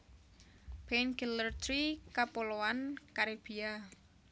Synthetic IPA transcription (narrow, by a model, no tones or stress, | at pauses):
b̥enkilərt̪ɾikapolowankaɾeb̥ia